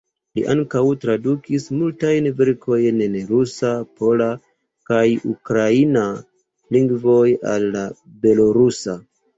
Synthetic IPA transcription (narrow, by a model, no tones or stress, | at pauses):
liʔaŋkawtɾadukismultajnveɾkʰo̞jnnɾusapo̞la | kajukɾaina | liŋɡvo̞ja̰lːa | be̞lo̞ɾusa